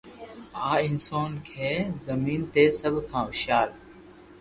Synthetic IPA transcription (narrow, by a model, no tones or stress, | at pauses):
aːɪnsoːnkʰeːzəmiːnt̪eːsəbʱkʰãːʊʃaːl